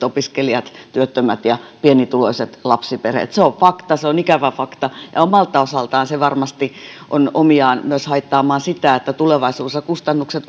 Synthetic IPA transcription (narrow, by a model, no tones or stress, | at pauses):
t̪opiskeliɑt̪t̪yøt̪ːømæt̪jɑpienit̪uloiset̪lɑpsiperḛt̪seoʋfɑkt̪ɑseonikæʋæfɑkt̪ɑjɑ̰omɑlt̪ːˑɑosɑlt̪ɑːnseʋɑrmɑst̪iʔonomiɑːnmyøshɑit̪ːɑːmɑːnsit̪æet̪ːæt̪uleʋɑisuːsjɑkust̪ɑnːukset̪